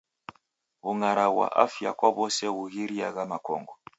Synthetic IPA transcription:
ɣuŋaɾaɣwa̰ʔafja̰kwaβɔsɛɣuɣiɾiaɣamakɔ̰ŋɡɔ

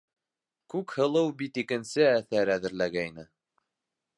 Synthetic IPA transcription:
kʉkhɤ̆lˠɤwbit̪ikɘ̆nsɘæθæɾæðɘ̆ɾlæɡæjnɘ

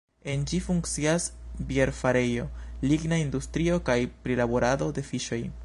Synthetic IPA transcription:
e̞nd͡ʒifuŋkt͡siasbieɾfaɾe̞jo̞liɡnaindustɾio̞kajpɾilabo̞ɾado̞de̞fiʃo̞j

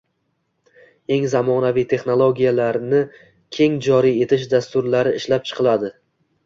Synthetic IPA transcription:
e̞ŋzamɒnavijt̪ʰe̞χnolˠoɡʲijalaɾnɪ | kʲʰe̞ŋd͡ʒɒɾije̞t̪ʰɪʃd̪ast̪ʊɾlaɾɪɪʃlap̚t͡ʃʰɨ̥qʰɨlˠad̪ɪ

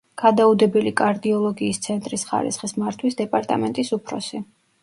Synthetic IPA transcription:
ɡ̥ad̪aud̪ɛbɛlikʼaɾd̪iɔlˠɔɡiːst̪sʰɛnt̪ʼɾisχa̰ɾḭsχismaɾt̪ʰwisd̪ɛpʼaɾt̪ʼa̰mɛnt̪ʼisupʰɾɔ̰si

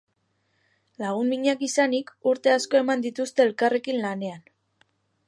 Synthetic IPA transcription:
laɣ̞uniɲakisanikuɾt̪e̞asko̞e̞mand̪it̪ust̪e̞ːlkare̞kinlane̞an

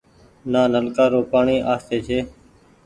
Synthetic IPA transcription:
naːnəlkaːɾoːpaːɳiːʔaːst̪eːt͡ʃʰeː

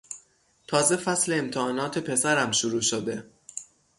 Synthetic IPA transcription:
t̪ʰɒːze̞fæsle̞ːmt̪ʰeɒːnɒːt̪ʰe̞pʰe̞sæɾæmʃuɾuːʃod̪e̞

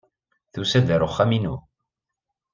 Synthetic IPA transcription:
θusæd̪əɾʊχːæminu

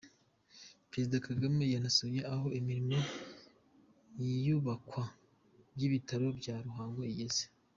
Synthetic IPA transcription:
pɾe̞zidakaɡame̞janasojeʔaɦo̞ʔimiɾimo | jijuβakwa | bjiβitaɾo̞bɟaːɾuɦaːŋɡoijeze̥

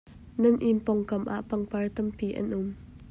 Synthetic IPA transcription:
nɐnʔimpɔŋkɐmʔa̰ʔpɐŋpɐrt̪ɐmpiʔɐ̰nʔʊm

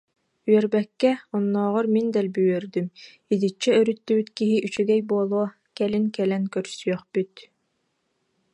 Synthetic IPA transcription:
yœɾbɛkːɛɔnːɔːʁɔɾmind̪ɛlbyjœɾd̪ym | id̪it͡ʃːɛœɾyt̪ːybyt̪kiɦiʔyt͡ɕyɡɛjbuɔlˠuɔ | kɛliŋkɛlɛnkœɾsyœχbyt̪

